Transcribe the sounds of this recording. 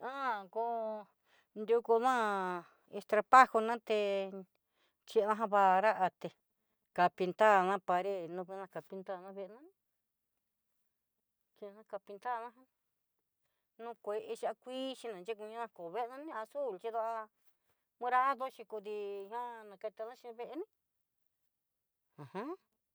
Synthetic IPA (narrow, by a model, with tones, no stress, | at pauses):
ã˦˨ko˧ | nd̪u˧ku˧nã˦ | e˧st̪ɾa˧pa˦ho˧nã˦t̪e˧ | t͡ʃi˧nã˦ɦã˧βa˧ɾa˦ʔa˧t̪e˧ | ka˧pi˧nt̪a˦˨nã˦pa˧ɾe˦˨nũ˧βi˧˦nã˧ka˨pi˧nt̪a˦˨nã˦βe˧ʔnã˦ñ˦ | t͡ʃi˧nã˦ka˧pi˧nd̪a˦˨nã˦ɦã˦ | nũ˦kʷe˧ʔe˧t͡ʃi˧a˧kʷiː˦t͡ʃi˧nã˨t͡ʃe˦kũ˧ɲã˦nã˧ko˨βe˦ʔnã˦nĩ˦a˧su˦˨lt͡ʃi˧ða˦˧ʔa˧ | mũ˦ɾa˦ðo˦t͡ʃĩ˧ku˧ði˧hã˦nã˨˧ke˧t̪a˧nã˦t͡ʃi˧βe˧ʔe˧nĩ˦ | ã˨hã˦